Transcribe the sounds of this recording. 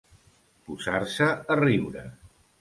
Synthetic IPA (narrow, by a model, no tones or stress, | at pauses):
puzaɾsəəriwɾə̰